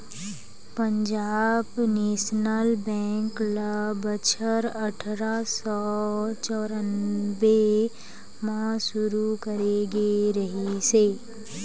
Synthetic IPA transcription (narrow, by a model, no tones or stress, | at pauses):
pə̃ɲd͡ʒaːbneːʃnəlbɛ̃ːŋkləbət͡ʃʰəɾəʈʰɾasɔt͡ʃɔːɾənʋe | mãʃʊɾukəɾeɡeɾɐɦiseː